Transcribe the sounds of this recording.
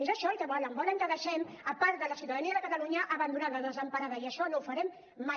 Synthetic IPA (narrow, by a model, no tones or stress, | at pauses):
ezəʃɔkəβɔləmbɔləŋkəðəʃɛm | əpaɾd̪ələsiuwt̪aðəniəðəkət̪əluɲəʔəβənd̪unaləðəzəmpəɾaðəiəʃɔnowfəɾɛmː | a